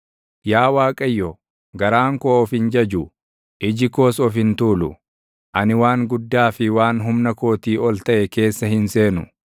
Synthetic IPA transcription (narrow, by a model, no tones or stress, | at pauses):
jaːwaːkʼɐjːɔ | ɡɐɾaːŋkoːɔfɪnd͡ʒɐd͡ʒʊ | ʔɪd͡ʒɪko̞ːsɔfɪnt̪uːlʊ̰ | ʔɐnɪwaːŋɡʊd̪ːaːfɪwaːnɦʊmnɐko̞ːt̪iːɔlt̪ɐʔɛke̞ːsːɐhɪnse̞ːnʊ̰